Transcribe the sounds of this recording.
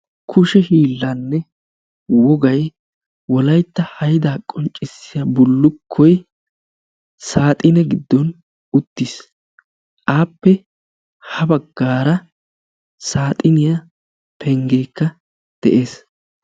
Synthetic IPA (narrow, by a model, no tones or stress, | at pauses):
kʰʊʃɛhiːlːɐnːɛ | wɔɡɐj | wɔlɐjt̪ːɐhɐjd̪aːkʼɔnt͡ʃʼːɪsːɪjɐbʊlːʊkʰːɔj | saːt̪ʼɪnɛɡɪd̪ːɔn | ʊt̪ːis | ʔaːpːɛ | hɐbɐɡːaːɾɐ | saːt̪ʼɪnɪjɐ | pʰɛŋɡeːkːɐ | d̪̥ɛʔe̞ːs